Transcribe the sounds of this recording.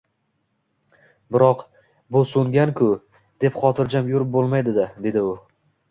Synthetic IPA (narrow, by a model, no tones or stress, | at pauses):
bɪɾɒq | bʊsʊŋɡʲankʰʊ | d̪̥e̞pχɒt̪ʰɪɾd͡ʒamjʊɾɪp̚bolˠmajd̪ɪd̪ad̪e̞d̪ɪʊ